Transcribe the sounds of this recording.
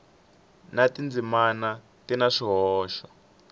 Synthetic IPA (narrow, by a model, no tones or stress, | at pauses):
natind͡zimana | tinaʂiɦɔːʃɔ̥